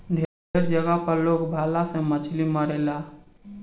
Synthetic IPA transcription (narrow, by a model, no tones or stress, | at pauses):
d̪ʱe | eɾd͡ʒəɡapəɾlokbʱalasẽmət͡ʃʰliməɾela